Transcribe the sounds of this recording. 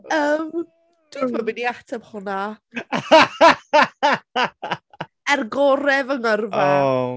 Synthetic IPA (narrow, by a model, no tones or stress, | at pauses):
əm | d̥wɪθmabɪniatʰɛmhʊna | ɛrɡɔɾɛvəŋərva